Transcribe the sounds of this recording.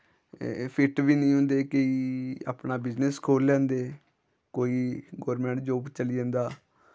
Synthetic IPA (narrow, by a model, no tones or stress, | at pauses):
pʰɪʈʋiːnəĩːɦʊ̃ːnd̪eːkeiːa̰ːpɳaːbɪzneskʰoːlːɛ̃ːnd̪eː | koːiːɡoːɾmɛ̃ːɳʈd͡ʒoːpt͡ʃəlid͡ʒãːnd̪aː